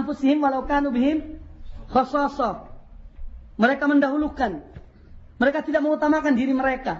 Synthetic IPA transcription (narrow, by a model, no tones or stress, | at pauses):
amfusɪɦɪmwalawkanubɪɦɪmxɔsɔsɔ | məɾekaməndaɦulukan | məɾekat̪idaʔ̚məŋut̪amakandiɾiməɾeka